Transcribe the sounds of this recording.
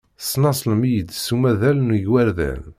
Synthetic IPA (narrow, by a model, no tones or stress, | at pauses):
snɑsˤləmijəd̪sumæðælnuʝwæɾðæ̰n